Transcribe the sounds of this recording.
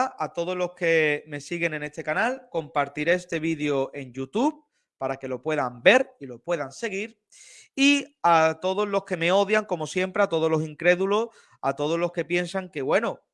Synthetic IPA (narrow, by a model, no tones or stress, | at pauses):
at̪o̞ðo̞zlo̞hke̞me̞siɣe̞nẽ̞ne̞st̪e̞kanalko̞mpaɾt̪iɾeest̪e̞βiðeo̞ʔe̞ŋʝut̪uβ | paɾake̞lo̞pwe̞ðambe̞ɾilo̞pwe̞ðanse̞ɣ̞iɾ | iat̪o̞ð̞o̞zlo̞hke̞me̞o̞ðjaŋko̞mo̞sje̞mpɾe̞at̪o̞ð̞o̞zlo̞siŋkɾe̞ðulo̞s | at̪o̞ð̞o̞zlo̞hke̞pje̞nsaŋke̞βwe̞no